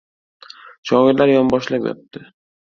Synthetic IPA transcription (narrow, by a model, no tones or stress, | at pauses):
ʃɒɡɪɾlaɾjɒmbɒʃlapjɔ̰p̚t̪ɪ